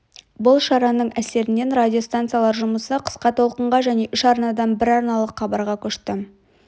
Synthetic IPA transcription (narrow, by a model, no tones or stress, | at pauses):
bʊlˠʃɑɾɑnəɴæse̞ɾɪne̞nradʲijo̞st̪ant̪sijalˠɑɾʒʊməsəqʰə̥sqɑt̪ʰo̞lˠqəɴʁɑʒæne̞ʔʏʃɑɾnɑd̪ɑmbɪɾɑɾnɑlˠəqχɑbɑɾʁɑkʲʰɵʃt̪ɪ